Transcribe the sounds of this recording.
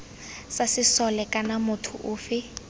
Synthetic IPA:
sasɪsɔlɛkʼanamʊtʰʊ̰ʔʊːfɪ

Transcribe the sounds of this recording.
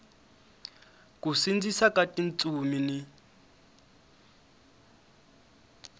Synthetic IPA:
kusind͡zisakatʼint͡sʼumini

